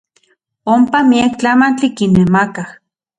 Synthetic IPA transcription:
ompamiekt͡ɬamant͡ɬikinːemakah

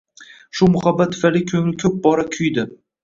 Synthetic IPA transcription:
ʃʊmʊhabːat̪ʰːʊ̥falɪkʲʰɵŋlɪkʰɵp̚bɒɾakʲʰʊjd̪ɪ

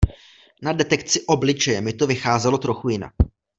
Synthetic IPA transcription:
nadɛt̪ɛkt͡sɪʔo̞blɪt͡ʃɛjɛmɪt̪o̞vɪxaːzɛlo̞t̪ɾo̞xujɪna̰k

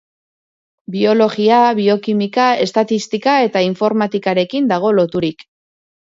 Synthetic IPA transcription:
bio̞lo̞ɣiaβio̞kimikae̞st̪at̪ist̪ikae̞t̪aiɱfo̞ɾmat̪ikaɾe̞kind̪aɣ̞o̞lo̞t̪uɾik

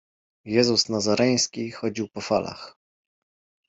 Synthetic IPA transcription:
jɛzusnazaɾɛj̃skʲixɔd͡ʑiwpɔfalʔa̰x

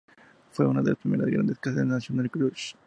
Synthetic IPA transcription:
fweunaðelaspɾimeɾa̰ɡɾa̰nd̪eskaseennasjonalkɾuʃ

